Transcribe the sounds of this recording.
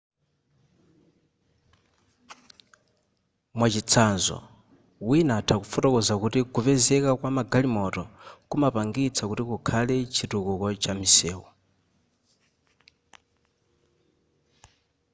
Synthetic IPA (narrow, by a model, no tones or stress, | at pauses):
mwat͡ʃit͡sʰanzɔ̰ | winatʰakufɔtɔkɔzakutikupɛzɛkakwamaɡalimɔtɔkumapaŋɡit͡sʰakutikukʰalɛt͡ʃʰitukukɔt͡ʃamisɛːwɔ